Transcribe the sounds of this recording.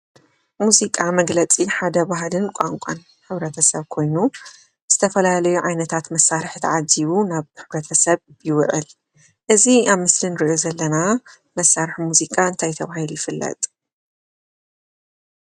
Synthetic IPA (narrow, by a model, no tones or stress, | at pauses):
muzikʼamɐɡlɐt͡sʼiħad̪ɐbaɦlɨnkʷʼaŋkʷʼa̰n | ħɨβɾɐt̪ʰɐsɐβkʰo̞jnu | z̥ɨt̪ʰɐfɐlalɐjuʕajnɐt̪ʰat̪mɐsːaɾɨħt̪ʰʕaziβunaβħɨβɾɐt̪ʰɐsɐβjɪwɨʔɨ̰l | ʔɨziaβmɨslinɨɾɨʔjozɐlːɐna | mɐsːaɾħmuzikʼaɨnt̪ʰajt̪ʰɐβahilujɪfɨlːɐ̰t̪ʼ